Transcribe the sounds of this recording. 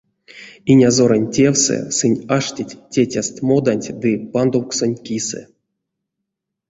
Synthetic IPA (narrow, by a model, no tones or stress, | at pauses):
inʲazo̞ɾənʲtʲe̞wsɛ̰sɨnʲaʂtʲitʲtʲːetʲast̪ʲmo̞d̪anʲtʲd̪ɨpand̪owksonʲkʲisɛ̰